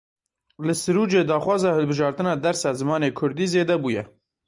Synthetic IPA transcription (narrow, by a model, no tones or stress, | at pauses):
lɨsɨɾuːd͡ʒeːd̪ɑːxwɑːzɑːhɨlbɨʒɑːɾt̪ɨnɑːd̪ɛɾsɑːzɨmɑːneːkʰʊɾd̪iːzeːd̪ɛbuːjɛ